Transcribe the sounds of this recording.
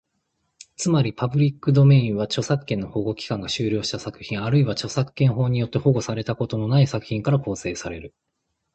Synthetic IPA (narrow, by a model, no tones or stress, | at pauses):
t͡sɨmaɾʲipabɯ̟ɾʲikːɯ̟d̪o̞me̞ĩɰ̃βat͡ɕo̞sakːe̞nːoho̞ɡo̞kʲi̥kãŋɡaɕɨːɾʲo̞ːɕi̥t̪asakɯ̟̥çĩɰ̃aɾɯ̟iβat͡ɕo̞sakɯ̥kːẽ̞ɰ̃ɦo̞ːɲ̟ijo̞t̪ːe̞ho̞ɡo̞saɾe̞t̪ako̞t̪o̞no̞naisakɯ̟̥çʲĩŋkaɾako̞ːse̞ːsaɾe̞ɾɯ̟